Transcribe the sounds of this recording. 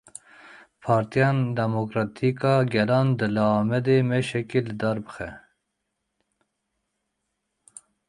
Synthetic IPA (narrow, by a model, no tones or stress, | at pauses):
pʰɑːɾt̪ijɑːnd̪ɛmokɾɑt̪ʰikɑɡɛlɑːnd̪ɨlɑɑːmɛd̪eːmeʃɛkelɨd̪ɑːɾbɨxɛ